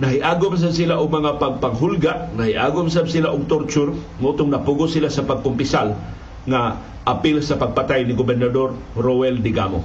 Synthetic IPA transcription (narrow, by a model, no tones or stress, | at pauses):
nɐɦɪʔaːɡʊmas̬absilaʔʊɡ̚mɐŋapaɡ̚paŋɦʊlɡaʔnahiʔa̰ːɡʊms̬absɪlaʔʊɡ̚t̪oɾt͡ʃʊrŋaʔut̪ʊŋnɐpuɡʊsɪlasɐpaɡ̚kʊmpɪsal | ŋa | ʔapɪlsɐpaɡ̚pat̪ajnɪɡobɛɾnad̪or | ɾowɛld̪ɪɡa̰mo̰